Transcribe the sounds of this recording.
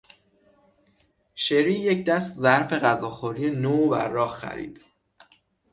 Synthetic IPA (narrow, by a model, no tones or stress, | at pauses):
ʃeɾiːjecd̪æst̪zæɾfe̞ɣæzɒːxoɾijenovæ̰ːɒːhxæ̰ɾḭːd̪̥